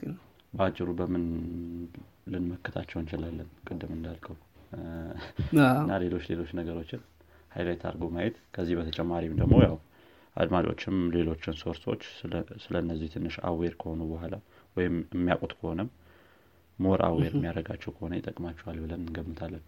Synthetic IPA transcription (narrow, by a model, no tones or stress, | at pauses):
bəat͡ʃʼːɪɾubəmɨn | lɨnməkːɨt̪ʰat͡ʃːɛwɨnt͡ʃɪlalːənkʼɨd̪ːɨmɨnd̪alkʰəw | ɨnːale̞lo̞t͡ʃːle̞lo̞t͡ʃːnəɡəɾo̞t͡ʃːɪn | hajlajɛt̪ʰa̰ɾɡomajɛt̪kʰəzːihbət̪ʰət͡ʃʼɛmːaɾimd̪əɡmo̞jaw | ʔa̰d̪mat͡ʃʼo̞̰t͡ʃːɪmle̞lo̞t͡ʃːɪnso̞ɾso̞̰t͡ʃːsɨlənːəzːiht̪ʰɨnːɨʃa̰weɾkʰəho̞nubəɦʷala | wɔjɪmɨmːijakʼut̪ʼkʰəho̞nəmː | oɾʔa̰weɾɨmːijaɾəɡat͡ʃːɛwkʰəho̞nəjɪt̪ʼəkʼmat͡ʃːɛwalbɨləmɨnɡəmːɨt̪ʰalːən